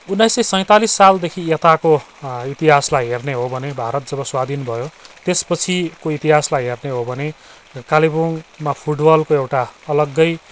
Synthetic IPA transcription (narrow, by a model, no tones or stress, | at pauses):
unːajsʌjsʌ̃j̃t̪alisːald̪ekʰiet̪ako | it̪iɦaslajɦerneɦobʱʌnebʱaɾʌt̪̚d͡zʌbʌswad̪ʱinbʱʌjot̪espʌt͡sʰikoit̪iɦaslajɦerneɦobʱʌne | kalibonmapʰuʈbʌlkoewʈaʌlʌɡːʌj